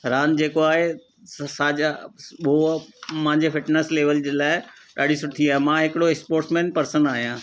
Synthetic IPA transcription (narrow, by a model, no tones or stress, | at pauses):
ɾaːnd͡ʑeːkoaːɦe | saːd͡ʑaɓomãɦɪ̃ɲd͡ʑefɪʈnesleːʋəld͡ʑeːlaːɪɗaːɖ̤isʊʈt̪ʰiaːɦemãɦɪkɪɽokspoːɾʈsmẽːnpɐɾsənaːɦijãː